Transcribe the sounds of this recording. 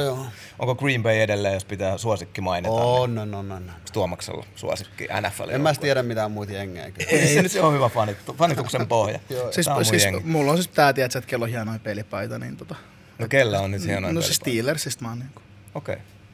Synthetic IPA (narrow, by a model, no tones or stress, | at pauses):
joː | ʔo̰ŋkokriːmbeiedelːeːjospit̪æːsuosikːimɑinitɑnːononːonːt̪uɑmɑksḛlːɑ̰sṵo̰sikːḭʔæ̰næfːæ̰l̰emmæst̪iæɾæmmit̪æmuːt̪jeŋːḛːkyenyt̪ohyʋæfɑnit̪ːufɑnit̪uksempohjɑ̰sissiːjseŋːmulːonsist̪æːt̪iæt̪sæt̪kelːohiɑnoipelipɑit̪ɑnḭːnt̪ot̪ɑ | nokelːæonnyt̪hiænoinosest̪iːlersist̪mɑːniːŋku̥ | okḛi